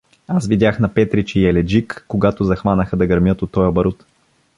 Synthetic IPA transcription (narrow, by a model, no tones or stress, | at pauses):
asvid̪ʲaxnɐpɛt̪ɾit͡ʃiɛlɛd͡ʒikːoɡat̪ʊzɐxvanəxəd̪ɐɡɐɾmʲjɤt̪ot̪ːɔjəbɐɾot̪